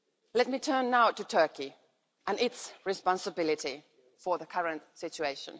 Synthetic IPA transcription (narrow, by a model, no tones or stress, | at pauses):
lɛt̚mitʰɜ̃˞nːaʊtɨtʰɜ˞ki | ʔɨ̃nɪtsɹɨspɑ̃nsəbɪlˠɪɾi | fə˞ðəkʰʌɹə̃ntsɪt͡ʃueɪʃə̃n